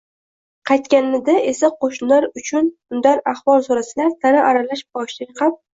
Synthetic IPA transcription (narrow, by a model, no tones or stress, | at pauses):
qʰɑjt̪kʲannɪd̪aʔe̞saqʰoʃnlaɾʊt͡ʃʰʊnʊnd̪aɾaχbɒlˠsoɾasɪlaɾt̪ʰaɾaʔaɾalaʃbɒʃlɪqʰɑp̚